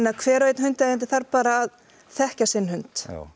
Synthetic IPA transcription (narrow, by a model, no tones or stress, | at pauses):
nːakʰvɛːɾœɥt̪nhʏnt̪aɛnt̪ɪθaɾpaːɾaːð | θɛhcasɪnːhʏnt̪